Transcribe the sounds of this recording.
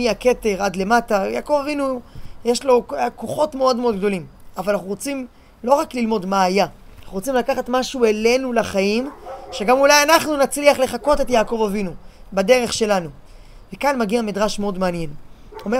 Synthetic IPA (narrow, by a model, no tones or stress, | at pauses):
iake̞te̞ʁadle̞mataja̰ːko̞vavinujeʃlo̞koχo̞tmeo̞dmeo̞d̪ɡd̪o̞limavalanaχnuʁo̞t͡sim | lo̞ʁaklilmo̞dmaːjanaχnuʁot͡simlakaχatmaʃuele̞nulaχajimʃe̞ɡamulajanaχnunat͡sliaχle̞χako̞te̞tjaːko̞vavinubade̞ʁe̞χʃe̞lanu | vekanmaɡiamidʁaʃmeo̞dmeanje̞n | ome